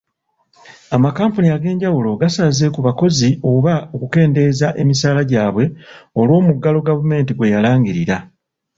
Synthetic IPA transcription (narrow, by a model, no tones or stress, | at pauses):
amakaːmpuniaɡe̞ːɲɟawulo̞ɡasaːze̞kuβako̞zio̞βaokuke̞ːnde̞zaʔe̞misaːlaɟaːβwe̞o̞lwo̞ːmuɡːalo̞ɡavume̞ːntiɡwe̞jalaːŋɟiɾiɾa